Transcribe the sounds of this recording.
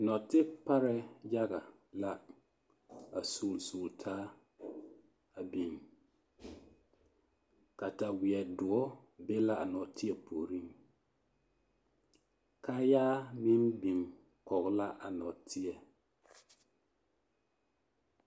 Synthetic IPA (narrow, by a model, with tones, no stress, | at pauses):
nɔ˨tɪ˦pa˦ɾɛ˨ja˦ɣa˨ | la˦ | a˨soː˨lsoː˨ltʰaː˦ | a˨bi˨ŋ | ka˨ta˨wɪ˨ɛ˨dʊ˨ɔ˦be˦la˦a˨nɔ˨tɪ˦ɛ˨pʰo˨ɾi˦ŋ | ka˦jaː˦mi˦mbi˨ŋ | kɔ˨ɣɔ˦la˦ʔa˨nɔ˨tʰɪ˦ɛ˨